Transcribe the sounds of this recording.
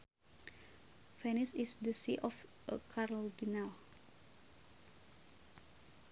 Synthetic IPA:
fɛnisisdəsiʔɔf | əkʰaɾɔldinal

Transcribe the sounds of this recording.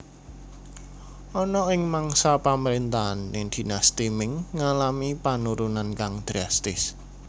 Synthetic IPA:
ʔɔnɔɪŋmaŋsapaməɾent̪aːnːɪŋd̪̥i̤nast̪imɪŋːalamipanuɾunankaŋd̪̥ɾast̪ɪs

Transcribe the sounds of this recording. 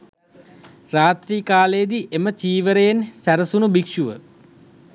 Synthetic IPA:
raːt̪ɾiːkaːlejəd̪iʔemət͡ʃiːʋəɾejensæɾəsunubikʂuʋə

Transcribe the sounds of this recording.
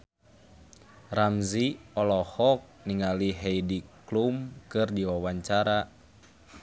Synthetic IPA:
ramziɔlɔhɔk̚niŋaliɦɛidiklumkɨrdiwawaɲt͡ʃaɾa

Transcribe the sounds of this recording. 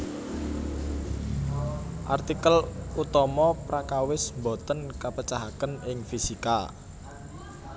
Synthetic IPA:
ʔa̰rt̪ikəlut̪ɔmɔpɾakawɪsmbɔt̪ənkapət͡ʃaɦakənɪŋfisika

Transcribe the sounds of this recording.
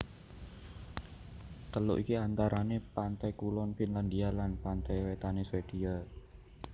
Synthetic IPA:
t̪əlo̰ʔikiant̪aɾʔanepant̪ajkulɔnfinland̪ialanpant̪ajwet̪aneswed̥ia

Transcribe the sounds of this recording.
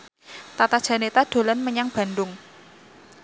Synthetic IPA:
t̪at̪ad̥ʒ̥a̤net̪ad̥o̤lanməɲaŋb̥a̤ndʊŋ

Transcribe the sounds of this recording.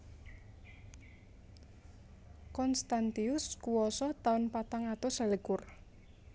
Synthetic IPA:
kɔnst̪ant̪iʊskuwɔsɔt̪aʊnpat̪aŋat̪osələkʊr

